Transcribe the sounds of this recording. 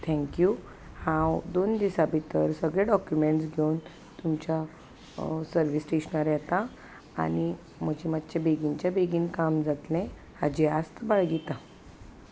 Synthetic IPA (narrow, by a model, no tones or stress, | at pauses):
t̪ʰɛ̃ŋkju | hãwd̪ond̪isabit̪əɾsəɡɭeɖɔkjumeɳʈsɡʱewn | t̪umt͡ɕja | səɾʋisʈeɕnaɾjat̪a | a̰ɽ̃i | m̤əd͡ʑimat̪t͡ɕebeɡiɲt͡ɕjabeɡiːnkamd͡zat̪lɛ̃ | had͡ʑeast̪baɭɡit̪a